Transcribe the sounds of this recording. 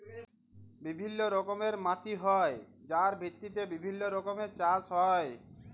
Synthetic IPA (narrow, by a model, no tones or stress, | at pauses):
bibʱinːoɾɔkomeɾmaʈʰiɦɔed͡ʑaɾbʱit̪ːit̪̬ebibʱinːoɾɔkomeɾt͡ɕad͡ʑɦɔe